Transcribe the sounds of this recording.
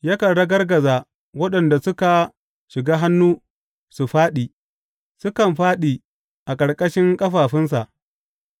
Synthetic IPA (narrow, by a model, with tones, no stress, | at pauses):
ja˦kɐ˨ɽɐ˦ɡɐ˦rɡɐ˨zaː˨ | wɐ˦ɗɐ˨nda˨sʊ˦ka˨ | ʃɪ˨ɡaː˦ɦa˦nːuː˦ | su˨ɸaː˦ɗiː˨ | sʊ˦kɐ˨mɸaː˦ɗiː˨ | ʔa˨kʼɐ˨ɽkʼɐ˦ʃɪ˦ŋkʼɐ˦ɸaː˨ɸɪ˦ns̬a˨ʔ